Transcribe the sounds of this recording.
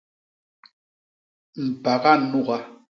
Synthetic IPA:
m̩˨pa˨ɣa˦nu˦˨ɣa˦

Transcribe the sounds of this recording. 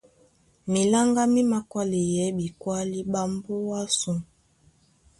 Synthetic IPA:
mi˨la˦ŋɡa˦mi˦ma˦kwa˦li˨jɛ˨˦bi˨kwa˦li˦ba˦mbo˦wa˦su˦

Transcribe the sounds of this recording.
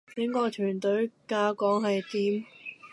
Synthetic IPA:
t͡sɪ˨˥ŋkɔː˧t͡ʃʰyː˨˩nt̪ɵ˨˥ɥkaː˧kɔː˨˥ŋhɐ˨jt̪iː˨˥m

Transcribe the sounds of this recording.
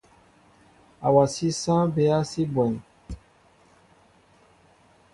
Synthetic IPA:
a˨wa˨si˦sã˦be˨˦a˦si˦bwɛ̃˨n˨

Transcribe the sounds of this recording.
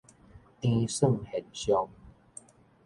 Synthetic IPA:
tĩ˧sə˥˨ŋhɛ˨˩nɕjɔ˧ŋ

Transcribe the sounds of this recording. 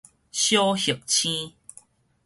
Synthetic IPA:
ɕjo˦hə˨˩k̚t͡ɕʰĩ˦

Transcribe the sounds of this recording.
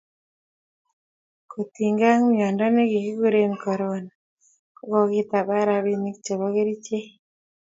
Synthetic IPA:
ko˨ti˨ŋɡa˦ŋu˦mjɔ˨ndɔ˦ne˦ɣi˨ɣi˦ɣu˦ɾe˦mikɔ˨ɾona | ko˦ɣo˦ɣi˦ta˨βa˦ɾa˨βi˦ni˦kit͡ʃe˨βo˦ɣe˦ɾi˦t͡ʃe˦

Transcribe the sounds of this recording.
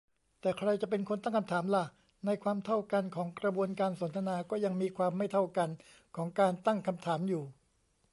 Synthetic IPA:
t̪ɛː˨˩kʰɾa˧jt͡ɕa˨˩pe˧nkʰo˧nt̪a˥˩ŋkʰmt̪ʰaː˩˦mla˧˩ | na˧jkʰwaː˧mt̪ʰa˥˩wka˧nkʰɔː˩˦ŋkɾa˧bu˧ənkaː˧nso˩˦nt̪ʰa˧naː˧kɔː˥˩ja˧ŋmiː˧kʰwaː˧mːa˥˩jt̪ʰa˥˩wka˧n | kʰɔː˩˦ŋkaː˧nt̪a˥˩ŋkʰa˧mt̪ʰaː˩˦mjuː˨˩

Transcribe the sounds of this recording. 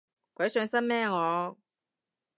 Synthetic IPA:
kʷɐ˨˥jsœː˨˧ŋsɐ˥mmɛː˥ŋɔː˨˧

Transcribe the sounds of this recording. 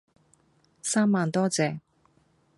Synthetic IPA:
saː˥mːaː˨nt̪ɔː˥t͡sɛː˨˧

